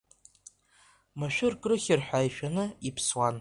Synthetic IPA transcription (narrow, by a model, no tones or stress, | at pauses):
maʃᶣʊrkʼrɨχʲɪrħʷᶣajʃᶣanɨipʰswan